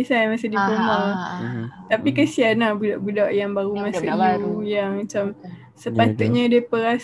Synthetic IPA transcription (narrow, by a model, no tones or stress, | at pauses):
isajmasɪdibuɦa | t̪apikəsianabudaʔbudaʔjaŋbaɾumãsuaɾujaŋmat͡ʃam | səpat̪uʔ̚ɲadiapəɾas